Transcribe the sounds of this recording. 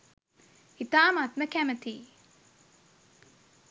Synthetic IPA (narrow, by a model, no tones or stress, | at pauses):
it̪aːmat̪məkæmət̪iː